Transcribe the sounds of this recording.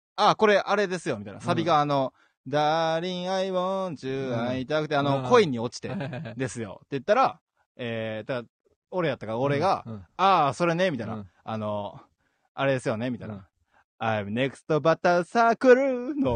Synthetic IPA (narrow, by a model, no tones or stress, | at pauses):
ako̞ɾe̞ʔaɾe̞d̪e̞sɨjo̞mit̪anasabʲiɡaːno̞ | d̪aɾʲĩɰ̃aibõd͡ʑɨːãɰ̃it̪ad̪akɯ̟t̪e̞ano̞kʰo̞iɲ̟ːio̞t͡ɕi̥t̪e̞d̪e̞sɨjo̞̰t̪ːe̞jɯ̟t̪ːaɾa | et̪ad̪a | o̞ɾe̞jat̪ːakaoɾe̞ɡaaso̞ɾe̞ne̞mʲit̪ana̰ano̞ | aɾe̞d̪e̞sɨjo̞ne̞mʲit̪aj̰na̰ | amɯne̞kɯ̥st̪o̞bat̪asakɯ̟ɾɯno